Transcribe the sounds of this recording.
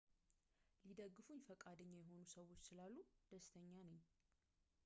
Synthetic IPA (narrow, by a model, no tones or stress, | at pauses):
lid̪əɡːɨfuɲfəkʼad̪əɲːajɛɦo̞nusəwo̞t͡ʃːsɨlalːud̪̥əst̪ʰəɲːanəɲː